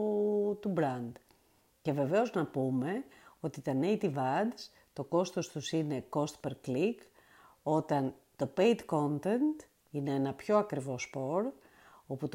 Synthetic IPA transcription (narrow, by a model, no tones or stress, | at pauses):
t̪ubɾɐnd̪ | ce̞ve̞ve̞o̞znɐpume̞o̞t̪it̪ɐnejt̪ivɐd̪s | t̪o̞ko̞st̪o̞st̪usine̞ko̞st̪peɾklik | o̞t̪ɐn | t̪o̞pejd̪ko̞nt̪e̞nt̪ | ineenɐpço̞ɐkɾivo̞spo̞ɾ | o̞put̪